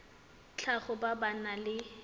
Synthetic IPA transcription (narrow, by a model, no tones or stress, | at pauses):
t͡ɬʰaχʊbabanalɪ